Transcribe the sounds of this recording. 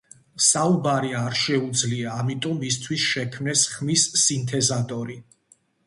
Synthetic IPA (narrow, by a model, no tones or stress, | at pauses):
saubaɾiaɾʃɛud̪zliaːmit̪ʼɔmːist̪ʰwisʃɛkʰmnɛsχmisːint̪ʰɛzat̪ʼɔɾi